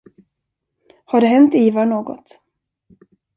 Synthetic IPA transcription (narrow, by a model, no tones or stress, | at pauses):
haɖɛɦɛnt̪iːvanoːɡɔ̰t̪